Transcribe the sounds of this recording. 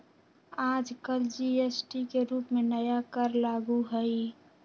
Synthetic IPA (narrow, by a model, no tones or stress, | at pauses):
aːd͡ʒkəld͡ʒiesʈikeɾuːpmẽnəjakəɾlaːɡuɦəi